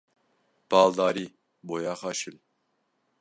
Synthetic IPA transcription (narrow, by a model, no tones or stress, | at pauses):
b̥ɑːlˠd̪ɑːɾi | bojɑːχɑːʃil